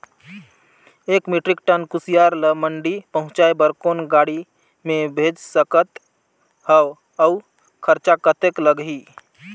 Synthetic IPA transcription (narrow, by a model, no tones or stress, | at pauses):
ekmiʈɾikʈənkusijaɾləməɳɖipəɦʊ̃t͡ʃaebəɾkonɡaɽi | mẽbʱed͡ʒsəkət̪ | həw | əu | kʰəɾt͡ʃakət̪ekləɡɦi